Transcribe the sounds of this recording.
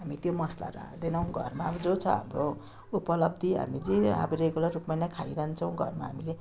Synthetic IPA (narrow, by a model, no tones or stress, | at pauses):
ɦamit̪jomʌsla̰ɾa̰d̪enʌw̃ɡʱʌ̰rmad͡zot͡sʰʌɦa̰mro | upʌlʌb̚d̪ʱiɦa̰mid͡zĩa̰bʌɾeɡolarupmanakʰajɾaɦnt͡sʰʌw̃ɡʱʌ̰rma̰ɦamile